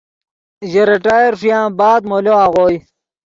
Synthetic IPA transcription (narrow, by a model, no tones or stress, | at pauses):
ʑeɾiʈaːjeɾʂjãːbaːd̪moloaɣoːj